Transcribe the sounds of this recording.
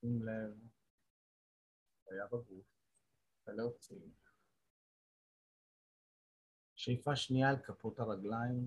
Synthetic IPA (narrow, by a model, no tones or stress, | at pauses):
imlev | ajabaɡuf | veleot͡sim | ʃejfaʃniaːlkapotaʁaɡlaim